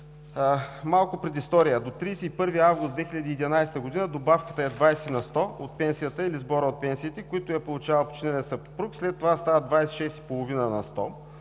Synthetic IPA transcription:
malˠkʊpɾɛd̪ist̪ɔɾijəd̪ot̪ɾisɛipɤɾviavɡʊst̪d̪vɛxiʎʲɐd̪iːd̪ʲnajst̪əɡʊd̪inəd̪obafkət̪əɛd̪vajsɛinɐst̪ɔot̪̚pɛnsijət̪əilizbɔɾəot̪̚pɛnsiːt̪ɛkoit̪ʊjɐpolˠʊt͡ʃavəlˠpo̥t͡ʃinɛnɛsəpɾukslɛt̪ːovast̪avəd̪vajsɛ̥ʃɛst̪i̥polˠovinənɐst̪ɔ

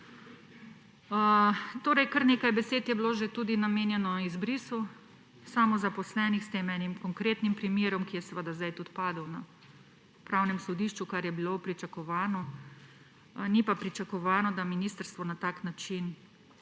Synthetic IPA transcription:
t̪oːɾɛjkəɾneːkajbɛseːt̪jɛbloːʒet̪uːd̪inameːnjɛnɔizbɾisu | saːmɔzapɔslɛːnixst̪eːmɛnimkɔŋkɾeːt̪nimpɾimjeːɾɔmkijɛsʋəd̪azd̪ajt̪ut̪paːd̪əwna | pɾawnɛmsɔd̪iːʃt͡ʃukaɾjɛbilopɾit͡ʃakɔʋaːnɔ | nipapɾit͡ʃakɔʋaːnɔd̪aminist̪əɾst̪ʋɔnat̪aːknat͡ʃin

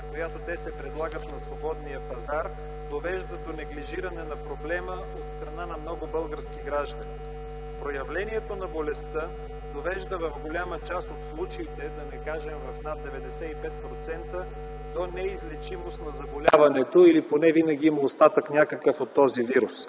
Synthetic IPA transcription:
kojat̪ot̪ɛsɛpɾɛd̪lˠaɡət̪nɐsvobɔd̪nijəpɐzaɾ | d̪ovɛʒd̪əd̪onɛɡliʒiɾɐnɛnɐpɾoblɛmə | ot̪st̪ɾɐnanɐmnɔɡʊbɤlˠɡəɾskʲiɡɾaʒd̪ɐni | pɾojɐvlɛniɛt̪onɐbolɛst̪ə | d̪ovɛʒd̪əvɐvɡolʲamət͡ʃast̪ot̪slˠut͡ʃɐit̪ɛd̪ɐnɛkaʒɛmvɐfnad̪̚d̪ɛvɛd̪ɛsɛipɛt̪̚pɾot̪sɛnt̪ə | d̪onɛizlɛt͡ʃimost̪nɐzɐbolʲavɐnɛt̪oiliponɛvinɐɡʲiimɐost̪at̪əknʲakəkəfot̪ːɔziviɾus

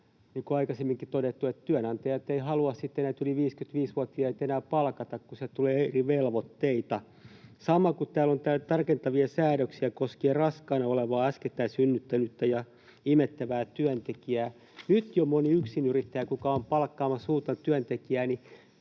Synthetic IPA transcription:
niŋkuɑikɑsemːiŋkit̪oɾet̪ːuet̪t̪yænɑnt̪ɑjɑet̪ːeihɑluɑssit̪ːenæːt̪yliʋiːskyt̪ʋiːsʋuɑt̪ːiɑet̪enæːpɑlkɑt̪ɑkkuset̪uleːeriʋelʋot̪ːeit̪ɑ | sɑmɑkut̪æːlont̪æt̪ɑrkent̪ɑʋiɑsæːɾøksiækoskierɑskɑːnɑoleʋɑːæsket̪ːæːsynːyt̪ːænyt̪ːæjɑ | imet̪ːæʋæːt̪yænt̪ekiæː | nyt̪jomoniyksinyrit̪ːæjækukɑompɑlkːɑːmɑsuːt̪ɑt̪yœnt̪ekiæːni

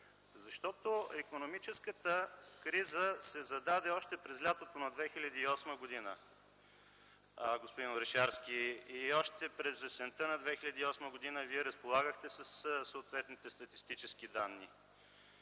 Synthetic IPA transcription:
zɐʃt̪ɔt̪oɛkonomit͡ʃɛskət̪əkɾizəsɛzɐd̪ad̪ɛɔʃt̪ɛpɾɛzlʲat̪ot̪onɐd̪vɛxilʲɐd̪iːɔsməɡod̪inə̰ | ɡospod̪inoɾɛʃaɾsk̟ʲiiɔʃt̪ɛpɾɛzvɛsɛnt̪ənɐd̪vɛxilʲɐd̪iːɔsməɡod̪inəviɛɾəspolˠaɡəxt̪ɛsəssəot̪vɛt̪nit̪ɛst̪ɐt̪ist̪it͡ʃɛsk̟id̪anːi

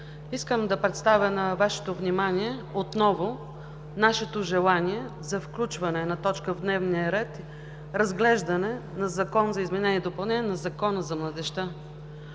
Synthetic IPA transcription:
iskəmd̪ɐpɾɛt̪st̪avʲənɐvaʃɛ̥t̪ovnimanʲiɛot̪nɔvo | naʃɛt̪oʒɛlˠanʲiɛ | zɐfklʲut͡ʃvɐnɛnɐt̪ɔt͡ʃkəvd̪nɛvnijəɾɛt̪ | ɾɐzɡlɛʒd̪ɐnɛnɐzɐkɔnzɐizmɛnɛniɛd̪opɐlˠnɛnʲɛnɐzɐkɔnəzɐmlˠɐd̪ɛʃt̪ə

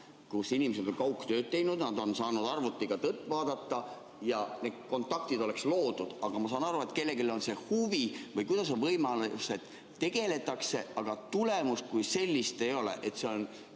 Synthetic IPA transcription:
kusinimese̞d̪̥o̞ŋkɑuwkːt̪ø̞ːt̪̚t̪ːe̞jnud̪nɑd̪o̞nsɑːnud̪ɑrvut̪ːˑiɡ̥ɑt̪ɤt̪ːˑvɑːd̪̥ɑt̪ːɑ | jɑne̞d̪̥̚ko̞nt̪ːˑɑk̚t̪id̪o̞le̞kslo̞ːd̪̥ud̪̥ɑɡ̥ɑmɑsɑːnɑɾue̞t̪ˑke̞lːe̞ɡilo̞nse̞huvivɤjkujd̪̥ɑs̬onvɤjmɑluse̞d̪̥ | t̪ːe̞ɡ̥e̞le̞t̪ːˑɑkse̞ʔɑɡ̥ɑt̪ule̞must̪̚kujse̞lʲːist̪e̞jo̞lḛʔet̪se̞o̞n

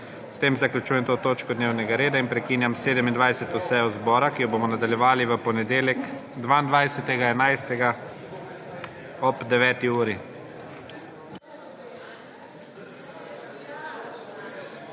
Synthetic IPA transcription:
st̪eːmzaklʲut͡ʃuːjɛmt̪oːt̪oːt͡ʃkɔd̪neːwnɛɡaɾeːd̪ainpɾɛkiːnjamseːd̪ɛmind̪ʋajsɛt̪usɛɔzbɔːɾakijɔbomɔnad̪aljɛʋaːliʋəpɔnɛd̪eːljɛkd̪ʋaːind̪ʋajsɛt̪ɛɡaɛnajst̪ɛɡa | ɔbd̪ɛʋɛːt̪iuːɾi

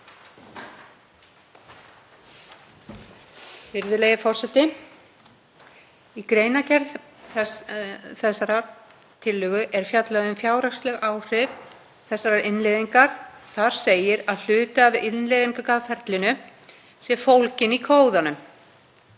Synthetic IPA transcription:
fɪɾðʏleːjɣɪfɔr̥sɛt̪ːɪ | ikɾeːjnacɛɾð | θɛsːaɾa | t̪ʰɪlːʏɣʏʔɛɾ̥fjat̪lɛɣʏmfjaːwɾakst̪lɛɣaːwr̥ɪv | θɛsːaɾaɾʔɪnleðiŋkaɾ̥θaɾ̥seːjɪɾaðl̥ʏːt̪ɪavɪnleðiŋkʏkaːðfɛɾt̪lɪnʏ | sjɛfowlcɪnikʰoːwðanʏm

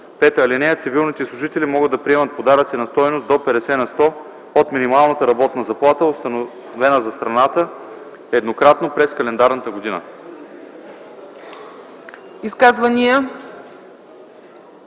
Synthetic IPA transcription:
pɛt̪əːlinɛət̪sivilˠnit̪ɛslˠʊʒit̪ɛlimɔɡəd̪ɐpɾiɛmət̪̚pod̪aɾət̪sinɐst̪ɔjnost̪d̪opɛɾɛsɛnɐst̪ɔ | ot̪minimalˠnət̪əɾɐbɔt̪nɐzɐplˠat̪əost̪ɐn | vɛnəzɐst̪ɾɐnat̪ə | ɛd̪nokɾat̪nopɾɛskɐlɛnd̪aɾnət̪əɡod̪inə̰ | iskazvɐnijə

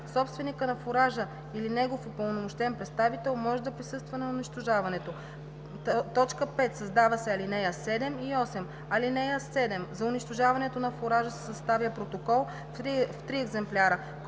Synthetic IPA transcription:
sɔpst̪vɛnikənɐfoɾaʒə | ilinɛɡofopəlˠnomoʃt̪ɛnpɾɛt̪st̪avit̪ɛlˠmɔʒɛd̪ɐpɾisɤst̪vɐnɐʊniʃt̪oʒavɐnɛt̪o | t̪ɔt͡ʃkəpɛt̪sɐzd̪avɐsɛɐlinɛjəsɛd̪ɛmiɔsɛm | ɐlinɛjəsɛd̪ɛmzɐʊniʃt̪ʊʒavɐnɛt̪onɐfoɾaʒəsɛ̥sɐst̪avjəpɾot̪okɔlˠ | ft̪ɾiɛɡzɛmplʲaɾə

